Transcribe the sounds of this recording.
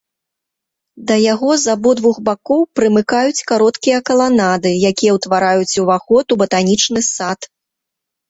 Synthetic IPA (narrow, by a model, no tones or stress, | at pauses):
d̪ɐjaɣɔzabɔd̪vuxbakɔwpɾɨmɨkajut͡sʲkaɾɔt̪kʲijɐkɐlˠanad̪ɨjakʲijɐwt̪vaɾajut͡sʲuvaxɔt̪ubɐt̪anʲit͡ʂnɨsat̪